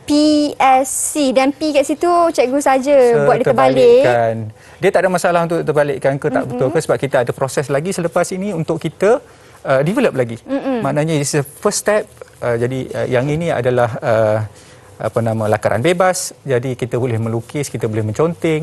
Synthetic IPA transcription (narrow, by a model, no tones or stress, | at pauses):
piɛsidanpikaʔsit̪ut͡ʃɛk̚ɡusad͡ʒəbuat̪̚diət̪əbalɪan | diət̪aʔdamasalaɦunt̪ʊʔt̪ərbalɪʔkankət̪a̰ʔbət̪ʊlkəsəbap̚kit̪əadəpɾosɛslaɡisələpasinĩunt̪ʊkkit̪ə | ədivɛləp̚laɡimaʔnaɲãssdəfəst̪ɛp̚əd͡ʒadiə̰jaŋinĩa̰dalahə | ʔa̰pənãmə̃lakaɾʔa̰nbebasd͡ʒadikit̪əbolɪhmə̃lukɪskit̪əbolɪhmə̃ɲt͡ʃont̪ɪŋ